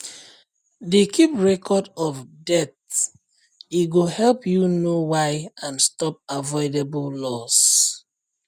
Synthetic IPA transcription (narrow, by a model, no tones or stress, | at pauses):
dekʰipɹɛkʰɔdɔvdɛt | iɡohɛlpjunowaɪãnstɔp̚avɔɪdebullɔs